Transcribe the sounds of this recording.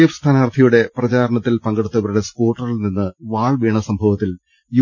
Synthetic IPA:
jɐfst̪ʰaːnaːɐrt̪ʰɐjuɽe̞prɐt͡ɕaːɾɐɳɐt̪ːilpɐŋɡeɽut̪ːɐʋɐɾuɽe̞skoːʈːɐrilninːɨʋaːɭʋeːɳɐsɐmbʱɐʋɐt̪ːil | ju

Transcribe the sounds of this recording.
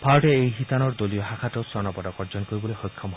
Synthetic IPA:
pʰaɔʈeejɦit̪anɔɹd̪olijɔɦakʰatɔsɔnɔpɔdɔkɔɾd͡ʒɔnkoɾibɔlexojkʰːɔm

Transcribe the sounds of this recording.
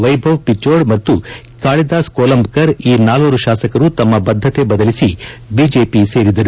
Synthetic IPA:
ʋɐjbʱɐʋpit͡ʃːoːɖmɐt̪ːu | kaːɭid̪aːskoːlɐmbkɐɾiːnaːloːɾuʃaːsɐkɐɾut̪ɐmːɐbɐd̪ʱːɐt̪e̞bɐd̪ɐlisibiːd͡ʒeːpise̞ːɾid̪ɐɾu

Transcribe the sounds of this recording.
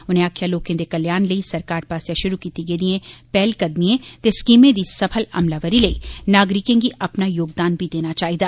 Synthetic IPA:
ʊnẽaːkʰjaloːkẽd̪ekɐljaːnləisɐɾkaːɾpaːsjaʃʊɾukiːt̪iɡeːd̪iẽpɛːlkɐd̪miẽt̪eskiːmẽd̪isɐpʰəlɐ̰mlaʋəɾiləḭnaːɡɾɪkẽɡiʔɐpnajoːɡd̪aːnbʱid̪eːnat͡ʃaːɦid̪aː

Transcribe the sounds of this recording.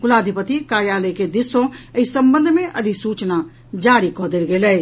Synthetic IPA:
kʊlaːd̪ʱipət̪ikaːjaləked̪ɪsːõəisəmbənd̪ʱmẽʔəd̪ʱisuːt͡ʃna | d͡ʒaːɾikɔːd̪elɡeːlɛ

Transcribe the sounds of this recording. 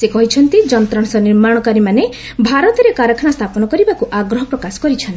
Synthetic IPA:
sekɔɦit͡ʃʰɔnt̪id͡ʒɔnt̪ɾɔɳ̃sɔniɾmaɽ̃ɔkaɾimane | bʱaɾɔt̪ɔɾekaɾɔkʰɔnast̪ʰapɔnɔkɔɾibakuʔaɡɾɔɦɔpɾɔkasɔ̥kɔɾit͡ʃʰɔnt̪i

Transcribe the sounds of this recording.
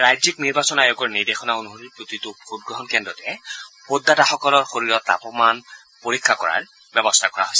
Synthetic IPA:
ɹajzik̚niɹbasɔnajɔɡɔɹniɹdexɔnaonuɦoɹipɹotitʊbʱud̚ɡɹɔɦɔnkɛndɔtɛpodːataxɔkɔlɔɹxoɹiɹɔta̰pɔman | poɹikʰːakɔɹa̰ɹ | bɛbɔstʰakɔɹa̰ɦojsɛ

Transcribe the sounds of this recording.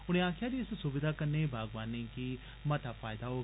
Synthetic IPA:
ʊñẽːaːkʰɪjaːd̪iːɪssʊbɪd̪ʱaːkənːeibʱaːɡʋaːnːiːki | mət̪afʰaːɪd̪aːɦoː

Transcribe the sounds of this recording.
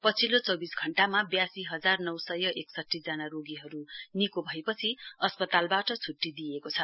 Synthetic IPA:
pʌt͡sʰilot͡sʌwbisɡʱʌɳʈamabjasiɦʌd͡zarnʌwsʌjʌʔeksʌtːid͡zanaɾoɡiɦʌɾunikobʱʌepʌt͡sʰiʌspʌt̪albaʈʌt͡sʰuʈːid̪ijekot͡sʰʌ

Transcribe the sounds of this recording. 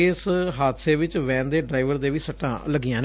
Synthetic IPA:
ɪsɦaːt̪seːʋɪt͡ʃʋɛ̃ːnd̪eːɖɾaːiʋəɾd̪eːʋiːsəʈːã̰ːləɡɪjãːn

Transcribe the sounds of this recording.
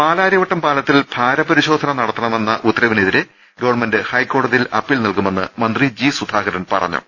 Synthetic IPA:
paːlaːɾjɐʋɐʈːɐmpaːlɐt̪ːilb̥ʱaːɾɐpɐɾiɕo̞ːd̪ʱɐnɐnɐɽɐt̪ːɐɳɐme̞nːɐʔut̪ːɐɾɐʋineðiɾe | ɡɐʋɐɳme̞ndɨhɐjkːo̞ːɽɐðilɐpːiːlnilkume̞nːɨ̰mɐnd̪rid͡ʑisud̪ʱaːɡɐɾɐnpɐ̰rɐ̰ɲːṵ

